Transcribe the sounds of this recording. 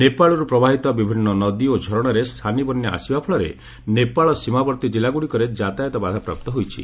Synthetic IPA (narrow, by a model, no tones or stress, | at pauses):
nepaɭɔɾupɾɔbaɦit̪ɔbibʱinːɔnɔd̪iod͡ʒʱɔɾɔɽ̃ɔɾest̪ʰanibɔnːjɔʔa̰sibapʰɔɭɔɾḛ | nepaɭɔsimabɔɾt̪id͡ʒilːaɡuɽikɔɾed͡ʒat̪ajɔt̪ɔbad̪ʱapɾa̰p̚t̪ɔɦojt͡ʃʰḭ